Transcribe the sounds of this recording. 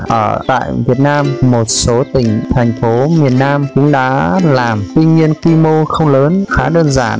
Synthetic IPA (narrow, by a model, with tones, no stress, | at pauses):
ʔəː˧˩t̪a̰ː˧˨jvi˨˩ət̚naː˧mːo˨˩t̚so˨˦t̪ï˧˩ŋ̟t̪ʰɛ˨˩jŋ̟fo˨˦mi˨˩ənːaː˧mkʊ̰˧˥ŋ͡mɗa̰ː˧˥laː˨˩mt̪wi˧ŋɲi˧ənkwi˧mo˧xə˧wŋ͡mləː˨˦nxaː˨˦ɗəː˧nza̰ː˧˩n